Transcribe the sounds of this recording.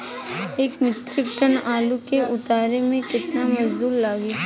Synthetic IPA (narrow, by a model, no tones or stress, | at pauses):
eːkmɪt̪ɾɪkʈənaːlukeʔʊt̪aːɾemẽkɪt̪namɐd͡ʒd̪uːɾlaːɡi